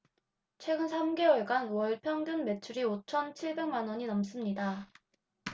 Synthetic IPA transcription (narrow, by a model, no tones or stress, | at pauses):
t͡ɕʰwe̞ɡɯnsʰamɡe̞wʌɭɡanwʌɭpʰjʌŋdɯnme̞t͡ɕʰuɾiot͡ɕʰʌnt͡ɕʰiɭbe̞ŋmanwʌɲinʌms͈ɯmɲida